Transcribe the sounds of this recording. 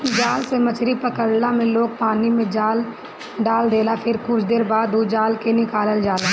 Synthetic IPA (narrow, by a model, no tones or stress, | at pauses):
d͡ʒaːlsemət͡ʃɾipəkəɽlamẽloːɡ̚paːnimẽd͡ʒaːl | ɖaːld̪eːlapʰɪɾkʊt͡ʃʰd̪eːɾbaːd̪ːud͡ʒaːlkenɪkaːləld͡ʒaːlaː